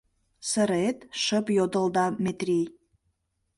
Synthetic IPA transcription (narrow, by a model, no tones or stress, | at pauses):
səɾet̪ʃəpjod̪əlˠd̪ɑmʲet̪rʲij